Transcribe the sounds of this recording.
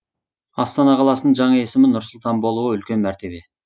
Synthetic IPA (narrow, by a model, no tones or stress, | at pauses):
ɑst̪ɑnɑqʰɑlˠɑsənəɴʒɑɴɑe̞sɪmɪnʊɾsʊlˠt̪ɑnbo̞lˠuʁəʏlkʲe̞nmæɾt̪ʰe̞be̞